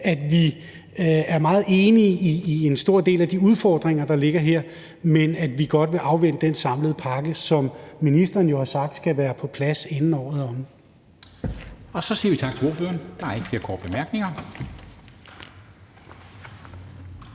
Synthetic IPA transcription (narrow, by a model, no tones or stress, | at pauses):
æd̥ʋi | æɐmɑ̈ːð̞̩ˠe̝ːniiːe̝nsd̥o̝ɐ̰d̥e̝̰ːlæd̥iuð̞ˠfɒːd̥ʁeŋɐd̥ɑ̈le̝ɡ̥ɐɦeɐ̰ | menæd̥ʋiɡ̥ɒ̽d̥ʋe̝ʔɑ̈ʊʋen̰əd̥ensɑ̈mləð̞̩ˠpʰɑ̈ɡ̥əsɒ̽mːinisd̥ɐːnjo̝hɑ̈sɑ̈ɡ̥̚d̥sɡ̥æʋæːɐpʰɒ̽pʰlæsenn̩ɒ̰ːð̩ˠɒ̽m | ɒ̽sɒ̽sḭɐʋit͡sʰɑ̈ɡ̥t͡sʰe̝o̝ɐføːɐnd̥ɑ̈eɡ̥ə̥b̥liɐkʰɒ̰ːd̥̚b̥emæɐɡ̥ne̝ŋɐ